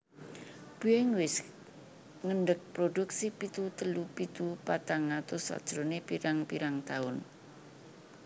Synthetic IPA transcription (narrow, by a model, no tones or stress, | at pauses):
b̥ueŋwɪs | ŋəɳɖək̚pɾoduk̚sipit̪ut̪əlupit̪upat̪aŋat̪ʊswa̰d̥ʒ̥ɾonepiɾaŋpiɾaŋt̪aʊn